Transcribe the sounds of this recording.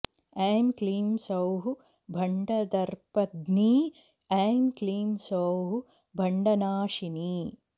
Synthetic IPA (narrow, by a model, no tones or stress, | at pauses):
aːmkliːmsɐwɦu | bʱɐɳɖɐd̪ɐɾpɐd̪niː | aːmkliːmsɐwɦu | bʱɐɳɖɐnaːʂiniː